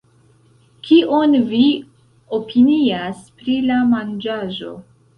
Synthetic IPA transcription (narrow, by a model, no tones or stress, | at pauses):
kʰiʔo̞nvi | opʰiniaspɾilamand͡ʒaʒo̞̰